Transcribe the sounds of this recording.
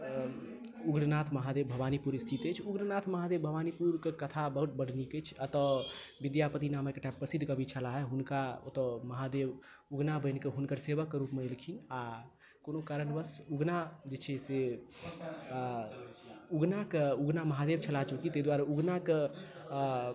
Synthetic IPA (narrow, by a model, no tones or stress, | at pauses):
uɡɾnat̪ʰməɦad̪ebbʱəbanipuɾist̪ʰit̪et͡ʃʰuɡɾnat̪ʰməɦad̪ebbʱəʋanipuɾkekət̪ʰabəɦut̪̚bəɽ̤niket͡ʃʰət̪ɔʋid̪japət̪inaməkeʈãmpːɾəsid̪ʱkəbʱit͡ʃʰəlaɦɛɦunkaot̪ɔmɐɦad̪eb | uɡnabənkeɦunkəɾseʋəkːɾupmelikʰina | konokaɾənbəsuɡnad͡ʒet͡ʃʰɛse | uɡnakeuɡnaməɦad̪ebt͡ʃʰəlat͡ʃukit̪əd̪waɾauɡnak